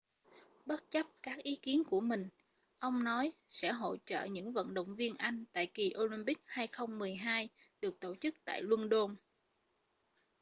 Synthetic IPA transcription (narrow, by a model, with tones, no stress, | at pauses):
ɓə˦˥t̚t͡ɕə˦˥p̚kaː˦˥k̚ʔi˨˦ki˨˦ənku˧˩əmï˨˩ŋ̟ | ʔə˧wŋ͡mnɔ˨˦jsɛ̰˧˥ɦo̰˧˨t͡ɕə̰ː˧˨ɲɨ̰˧˥ŋvə̰˧˨nɗə̰˧˨wŋ͡mvi˧ənʔa˧jŋ̟t̪a̰ː˧˨jki˨˩ʔo˧li˧mpï˦˥k̚haː˧jxə˧wŋ͡mmɨ˨˩əjɦaː˧jɗɨ˨˩ək̚t̪o˧˩t͡ɕɨ˦˥k̚t̪a̰ː˧˨jlwə˧nɗo˧n